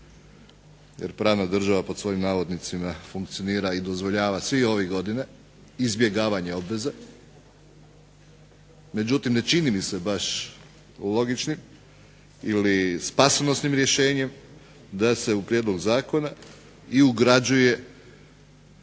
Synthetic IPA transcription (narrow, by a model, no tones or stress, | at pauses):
jeɾpɾaːʋnad̪r̩ʒaʋaposʋo̞jimnaːʋo̞d̪nit̪simafuŋkt̪sijo̞niːɾaid̪o̞zʋo̞ʎaːʋasʋio̞ʋiɡo̞d̪ine | izbje̞ɡaːʋaɲe̞o̞bʋe̞ze | me̞d͡ʑut̪imne̞t͡ʃinimise̞baʃ | lˠo̞ɡit͡ʃnim | ilispaseno̞snimɾje̞ʃe̞ːɲe̞m | d̪ase̞upɾjed̪lo̞ɡzaːko̞na | iuɡɾad͡ʒuje̞